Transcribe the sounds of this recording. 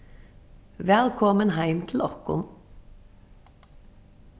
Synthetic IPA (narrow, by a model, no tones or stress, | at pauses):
ʋɛlkʰɔmənhæɪmt̪ʰl̩ɔkʊ̰n